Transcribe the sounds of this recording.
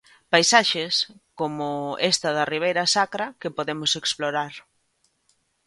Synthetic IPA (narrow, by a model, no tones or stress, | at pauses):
pajsaʃeskomʊest̪ɐðɐriβ̞ejɾɐsakɾɐkepoðemʊseksploɾaɾ